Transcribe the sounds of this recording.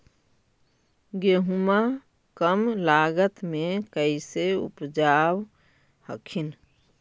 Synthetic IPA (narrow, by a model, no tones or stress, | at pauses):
ɡeɦuma | kəmlaːɡət̪mẽkəɪseṵpd͡ʒaːw | hə̰kʰin